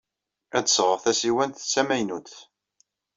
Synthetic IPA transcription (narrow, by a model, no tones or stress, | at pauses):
æd̪sʁəʁθæsiwænθt͡sːæmæjnuθ